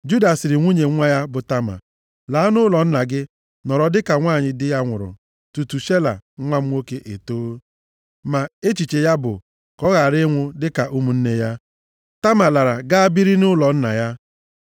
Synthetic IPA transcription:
d͡ʒu˦da˨sɪ˨ɾɪ˨ŋʷu˦ɲe˨ŋʷa˦ja˦bʊ˨ta˦ma̰˨ | laː˨˦nʊ˦lɔ˨n̩˦na˨ɡɪ˦ | nɔ˨ɾɔ˨dɪ˦ka˨ŋʷaː˦˨ɲɪ˨dɪ˦ja˦ŋʷʊ̰˨ɾʊ̰˨ | tu˨tu˨ʃe˦la̰˨˦ŋʷa˦m̩˦o˦ke˦ʔe˨toː˦ | ma˨e˦t͡ʃi˨t͡ʃe˨ja˦bʊ̰˨ | kɔ˦ɣa˨ɾɪ˦ŋʷʊ˦dɪ˦ka˨ʔu˦mu˨n̩˦ne˦ja˦ | ta˦ma˨la˨ɾa˨ɡa˦a˦bi˦ɾi˦nʊ˦lɔ˨n̩˦na̰˨ja˦

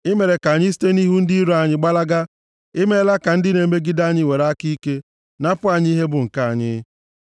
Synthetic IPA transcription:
ɪ˦me˨ɾe˨ka˨ɲi˦si̥˦te˦ni˦ɦu˦n̩˦di˦ɾo˨˦a˨ɲɪ˦ɡ͡ba˦la˦ɡa˦ | ɪ˦me˦la˦ka˨n̩˦dɪ˦ne˨me˦ɡi˦da˦ɲɪ˦we˨ɾa˦ki˦ke˦ | na˦pʊ˦a˨ɲ˦ɦe˦bʊ˨ŋ̩˨ka˦˨a˨ɲɪ̰˦

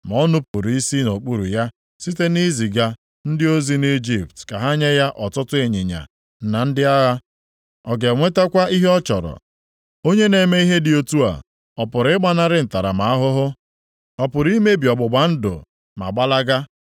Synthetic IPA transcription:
m˨ɔ˦nʊ˦pʊ˨ɾi˦si˦no˨k͡pu˦ɾṵ˨ja˦ | si˦te˦ni˦zi˨ɡa˦ | n̩˦dɪ˦o˦zi˦ni˦d͡ʒi˨p̚tka˨ɦa˦ɲe˦ja˦ʔɔ˨tʊ˦tʊ˦e˨ɲe˨ɲa̰˨ | na˨n̩˦dɪ˦a˦ɣa˦ | ɔ˨ɡe˨ŋʷe˦ta˦kʷa˦ʔi˦ɦe˦ɔ˦t͡ʃɔ˨ɾɔ̰˨ | o˦ɲe˦ne˨me˦i˦ɦe˦dɪ˨o˦tu˦a̰˨ | ɔ˨pʊ˨ɾɪ˦ɡ͡ba˦na˦ɾɪ˦n̩˨ta˨ɾa̰˨ma˨a˦ɦʊ˦ɦʊ˦ | ɔ˨pʊ˨ɾi˦me˦bi˨ɔ˨ɡ͡bʊ˨ɡ͡ba˨n̩˦dʊ̰˨ | ma̰˨ɡ͡ba˦la˦ɡa˦

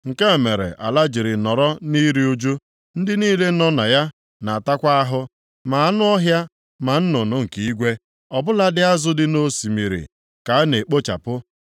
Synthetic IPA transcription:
ŋ̩˨ke˦˨me˨ɾḛ˨ʔa̰˨la˦d͡ʒi˨ɾɪ˨nɔ˨ɾɔ˦ni˦ɾi˦u˦d͡ʒu˦ | n̩˦dɪ˦niː˦le˦nɔ˦na˨ja˦ | na˨a˨ta˦kʷa˦a˦ɦʊ˦ | ma˨a˦nʊ˦ɔ˦ɦja˦ | ma˨n̩˦nʊ˨nʊ˦ŋ̩˨ki˦i˦ɡʷe˦ | ɔ˨bʊ˦la˦dɪ˦a˦zʊ˦dɪ˦no˦si˨mi˨ɾḭ˨ | ka˨a˦ne˨k͡po˦t͡ʃa̰˨pʊ˦

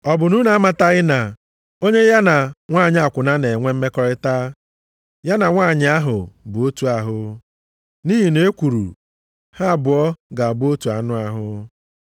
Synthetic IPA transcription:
ɔ˨bʊ˨nu˦na˦a˦ma˨ta˦ɣɪ˦na˨ | o˦ɲe˦ja˦na˨ŋʷaː˦˨ɲɪ˦a˨kʷʊ˨na˦ne˨ŋʷe˦m̩˦me˦kɔ˦ɾɪ˦ta˦ | ja˦na˨ŋʷaː˦˨ɲɪ˦a˦ɦʊ˨bʊ˨o˦tu˨a˨ɦʊ˦ | ni˦ɦi˨ne˨˦e˦kʷu˨ɾṵ˨ | ha˦˨bʊ˨ɔ˦ɡa˨bo˦tu˨a˨nʊ˦a˨ɦʊ˦

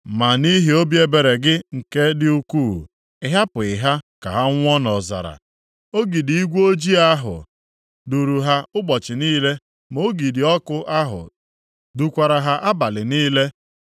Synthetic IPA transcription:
ma˨ni˦ɦi˨˦o˦bje˦be˨ɾe˨ɡɪ˦ŋ̩˨ke˦dɪ˦u˦ku˦˨ | ɪ˦ɦa˦pʊ˨ɪ˨ɦa˦ka˨ɦa˦ŋʷ˦ɔ˦nɔ˨za̰˨ɾa̰˨ | o˦ɡi˨di˨i˦ɡʷo˦d͡ʒi˦a˦ɦʊ̰˨ | du˨ɾu˨ɦa˦ʊ˦ɡ͡bɔ˨t͡ʃɪ˨niː˦le˦ | mo˦ɡi˨dɪ˨ɔ˦kʊ˦ʔa˦ɦʊ̰˨ | du˨kʷa˨ɾa˨ɦa˦ʔa˦ba˨lɪ˨niː˦le˦

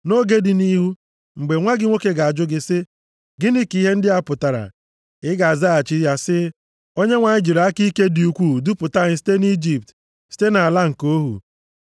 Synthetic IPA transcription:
no˦ɡe˦dɪ˨ni˦ɦu˦ | ŋ͡m̩˨ɡ͡be˨ŋʷa˦ɡɪ˦ŋʷo˦ke˦ɡa˨a˨d͡ʒʊ˦ɡɪ˦sɪ˦ | ɡɪ˦ni˦ki˦ɦe˦n̩˦dɪ˦a˦pʊ˨ta˨ɾa̰˨ | ɪ˦ɡa˨za˦a˨t͡ʃi˦ja˦sɪ˦ | o˦ɲe˦ŋʷa˨ɲɪ˦d͡ʒi˨ɾa˦ki˦ke˦di˨u˨kʷu˦˨dʊ˦pʊ˨ta˦ɲɪ˦si̥˦te˦ni˦d͡ʒi˨p̚t | si̥˦te˦na˨a˨la˦ŋ̩˨ko˦ɦṵ˨

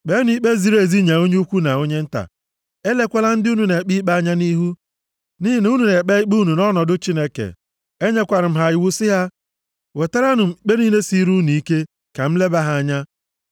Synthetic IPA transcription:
k͡pe˦n˦i˦k͡pe˦zi˨ɾe˨zi˦ɲa˨o˦ɲ˦kʷu˦na˨o˦ɲe˦n̩˦ta̰˨ | e˦le˦kʷe˦la˦n̩˦dɪ˦u˦nu˨ne˨k͡pi˦k͡pa˦a˦ɲa˦ni˦ɦu˦ | ni˦ɦi˦n˦u˦nu˨ne˨k͡pe˦i˦k͡pu˦nu˨nɔ˦nɔ˨dʊ˦t͡ʃi˦ne˦kḛ˨ | e˦ɲe˦kʷa˨ɾɪ˨m̩˦ɦa˨ɪ˨˦wu˦sɪ˦ɦa˦ | we˨ta˦ɾa˦nʊ˨m̩˨˦k͡pe˦ni˦ne˦si˦ɾu˦nu˨i˦ke˦ | ka˨m̩˦le˦ba˦ɦa˨a˦˨ɲa˦

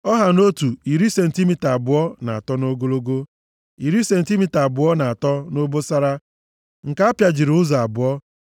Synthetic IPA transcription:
ɔ˦ɦa˨no˦tu˨i˨ɾi˦se˨n̩˨ti˦mi˦ta˨bʊ˨ɔ˦na˨a˨tɔ˦no˦ɡo˦lo˦ɡo˦ | i˨ɾi˦se˨n̩˨ti˦mi˦ta˨bʊ˨ɔ˦na˨a˨tɔ˦no˦bo˦sa˦ɾa˦ | ŋ̩˨ka˦a˦pja˨d͡ʒi˨ɾʊ˦za˨a˨bʊ˨ɔ˦

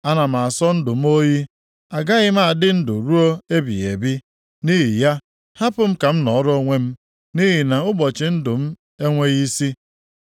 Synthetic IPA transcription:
a˦na˨m̩˨a˨a˨sɔ˦n̩˦dʊ˨m̩˦o˦ɣi˦ | a˨ɡa˦ɣɪ˦m̩˦a˨dɪ˦n̩˦dʊ˨ɾu˦o˦e˦bḭ˨ɣḛ˨bi˦ | ni˦ɦi˨ja˦ | ha˦pʊ˨m̩˦ka˨m̩˦nɔ˨˦ɾo˦ŋʷe˦m̩˦ | ni˦ɦi˨na˨ʊ˦bɔ˨t͡ʃɪ˨n̩˦dʊ˨m̩˦ | e˦ŋʷe˦ɣi˦si˦

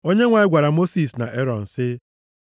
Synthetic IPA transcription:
o˦ɲe˦ŋʷa˨ɪ˦ɡʷa˨ɾa˨mo˦si˨sna̰˨ʔe˦ɾɔ˨n̩˨sɪ˦

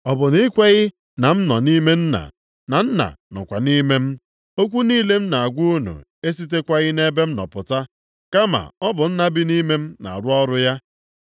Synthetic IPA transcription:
ɔ˨bʊ˨ni˦kʷe˦ɣɪ˦ | na˨m̩˦nɔ˨ni˦me˦n̩˦na̰˨ | na˨n̩˦na̰˨nɔ̰˨kʷa˨ni˦me˦m̩˦ | o˦kʷu˦niː˦le˦m̩˦na˨a˨ɡʷu˦u˦nṵ˨ | e˦s̬i˦t̬e˦kʷa˦ɣɪ˦ne˦be˦m̩˦nɔ̰˨pʊ˨ta˦ | ka˦ma̰˨ɔ˦bʊ˨n̩˦na˦bɪ˦ni˦me˦m̩˦na̰˨ɾʊ˦ɔ˦ɾʊ˦ja˦

